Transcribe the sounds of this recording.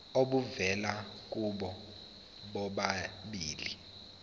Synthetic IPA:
oɓuvɛlak̬ʼuɓɔ | ɓɔɓaɓiːli

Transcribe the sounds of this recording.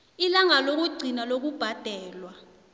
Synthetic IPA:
ilaŋalok̬uɡ͡ǀʱinalok̬ub̥ʱad̥ʱɛːlwa

